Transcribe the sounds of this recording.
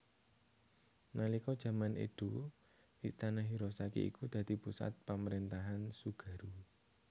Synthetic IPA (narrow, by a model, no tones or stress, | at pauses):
nalikɔd̥ʒ̥ä̤manḛd̪̥u | ʔist̪anaɦiɾosakḭḭkud̪̥ä̤d̪̥ipusa̰t̪̚paməɾint̪aɦansuɡ̥ä̤ɾu